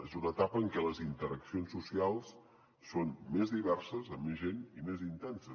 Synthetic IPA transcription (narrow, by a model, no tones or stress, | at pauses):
ezunət̪apəːŋkɛləzint̪əɾəksionsːusialˠsː | onmezðiβɛrsəzəmːezʒenimezint̪ɛnsə